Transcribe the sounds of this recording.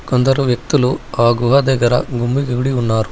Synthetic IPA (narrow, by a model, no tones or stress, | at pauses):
kond̪ɐɾuʋjek̚t̪iluaːɡuɦɐd̪ɐɡɐɾɐ̰ɡumbiɡiɡuɽiunːaːɾu